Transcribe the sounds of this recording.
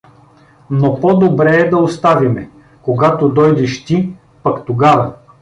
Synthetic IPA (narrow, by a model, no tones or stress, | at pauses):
nopɔd̪obɾɛːd̪ɐost̪avimɛ | koɡat̪od̪ɔjd̪ɛʃt̪i | pɐkt̪oɡavɐ